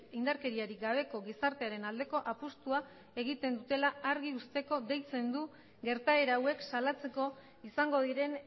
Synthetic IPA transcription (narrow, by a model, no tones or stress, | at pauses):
ind̪aɾke̞ɾiaɾiɡaβ̞e̞ko̞ɣisaɾt̪eaɾe̞nald̪e̞ko̞ʔapust̪ua | e̞ɣ̞it̪e̞nd̪ut̪e̞laaɾɣiust̪e̞ko̞d̪e̞jt͡se̞nd̪u | ɡe̞ɾt̪aeɾaːwe̞ksalat͡se̞ko̞ | isaŋɡo̞ðiɾe̞n